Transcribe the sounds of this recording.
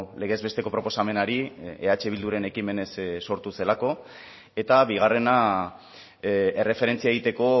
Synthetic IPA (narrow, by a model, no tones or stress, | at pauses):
le̞ɣ̞ezβe̞st̪e̞ko̞pɾo̞po̞same̞naɾieat͡ʃe̞β̞ild̪uɾe̞ne̞kime̞ne̞ssːo̞ɾt̪use̞lako̞ | e̞t̪aβiɣ̞are̞na | e̞re̞fe̞ɾent͡siaeɣit̪e̞ko̞